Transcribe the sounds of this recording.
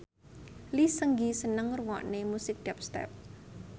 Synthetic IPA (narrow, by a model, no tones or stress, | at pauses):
lisəŋɡisənəŋruwɔ̰ʔnemusɪk̚d̥ɛp̚st̪ɛ̰p̚